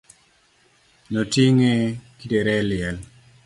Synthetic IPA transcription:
notiŋekideɾɛlɪɛl

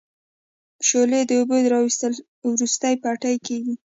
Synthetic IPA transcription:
ʃoled̪əobod̪əɾɑwist̪əl | wɾust̪ajpaʈajkeɡi

